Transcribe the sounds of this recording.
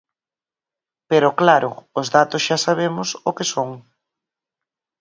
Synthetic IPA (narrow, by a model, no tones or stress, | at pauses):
peɾʊklaɾʊʊzðat̪ʊsʃasaβ̞emʊsokesoŋ